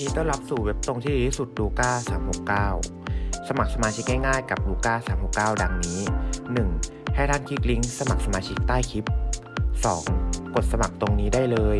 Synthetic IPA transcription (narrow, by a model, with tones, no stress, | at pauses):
t̪ʰiː˥˩t̪ɔ˥˩ŋla˦˥p̚suː˨˩we˦˥p̚t̪o˧ŋt̪ʰiː˥˩˥su˨˩t̪̚duː˧kaː˥˩saː˩˦mho˨˩kːaː˥˩w | sa˧ma˨˩k̚sa˧maː˧t͡ɕʰi˦˥k̚ŋa˥˩jŋaː˥˩jka˨˩p̚luː˧kaː˥˩saː˩˦mho˨˩kːaː˥˩wda˧ŋniː˦˥nɯ˨˩ŋ | ha˥˩jt̪ʰaː˥˩nkʰiː˦˥˩kli˦˥ŋsa˧ma˨˩k̚sa˧maː˧t͡ɕʰi˦˥k̚t̪aː˥˩jkʰi˦˥p̚sɔː˩˦ŋko˨˩t̪̚sa˧ma˨˩k̚t̪o˧ŋniː˦˥daː˥˩jlɤː˧j